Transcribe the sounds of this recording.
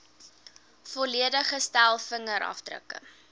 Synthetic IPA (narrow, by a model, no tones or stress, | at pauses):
fɔliədəχəstælˠfəŋəɾʔɐ̰fdrə̰kə̰